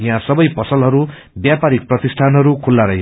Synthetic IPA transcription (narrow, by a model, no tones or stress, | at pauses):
jãsʌbʌjpʌsʌlɦʌɾu | bjapaɾik̚prʌt̪isʈʰanɦʌɾukʰulːaɾʌɦj